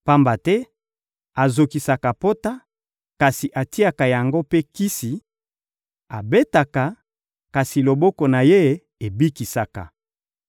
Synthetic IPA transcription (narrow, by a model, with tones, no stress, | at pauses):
pa˦mba˨tɛ˦ | a˨zo˨ki˨sa˨ka˨po˦ta˦ | ka˨si˨ʔa˨ti˦a˨ka˨ja˨ŋɡo˦pe˦ki˦si˨ | a˨be˦ta˨ka˨ | ka˨si˨lo˨bɔ˦kɔ˨na˨je˦ | e˨bi˦ki˨sa˨ka̰˨